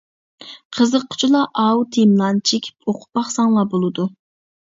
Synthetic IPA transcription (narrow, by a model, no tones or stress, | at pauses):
qʰəzəqʰːʊ̥t͡ʃʰulˠɑʔɑwt̪ʰemlˠɑnt͡ʃʰekʲʰi̥pʰoqʰʊ̥pːɑχsɑŋlˠɑbolˠɨd̪u